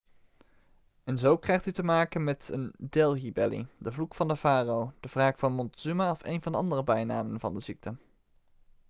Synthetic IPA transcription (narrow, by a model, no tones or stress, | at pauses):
ɛnzowkrɛjχtytəmaːkənmɛtə̰ndɛlˠɦibɛlḭdəvlukfɑndəvaːrowd̥əv̥raːkfɑnmɔntəsymaɔfḛjnvɑndəɑ̰ndərəbɛjna̰ːmənvɑ̰ndəzik̚tə